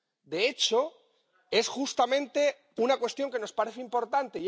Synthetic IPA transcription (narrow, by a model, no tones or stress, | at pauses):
d̪e̞et͡ʃo̞ | e̞sxust̪amẽ̞nt̪e̞ | unakwe̞st̪jo̞ŋke̞no̞spaɾe̞θeimpo̞ɾt̪ant̪ei